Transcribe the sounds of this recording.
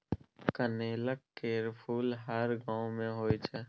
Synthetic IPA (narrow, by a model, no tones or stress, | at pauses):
kəneːləkːeːɾpʰuːlɦəɾɡãːõmẽɦoːit͡ʃʰɛː